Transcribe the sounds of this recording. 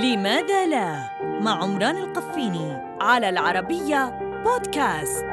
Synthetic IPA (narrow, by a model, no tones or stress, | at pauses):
lɪmaːðaːla | maʕʕʊmɾˤɑːnalqafːiːni | ʕalaːlʕɑɾˤɑbɪjːaboːd̪kaːst̪